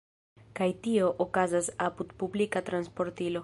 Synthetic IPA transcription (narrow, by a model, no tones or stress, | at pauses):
kajt̪ioʔokazasaput̪publikat̪ɾanspo̞ɾt̪ilo